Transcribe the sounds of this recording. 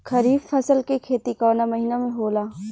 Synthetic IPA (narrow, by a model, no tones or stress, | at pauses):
kʰɐɾiːbfɐsəlkekʰeːt̪ikɔːnamɐɦiːnamẽɦoːlaː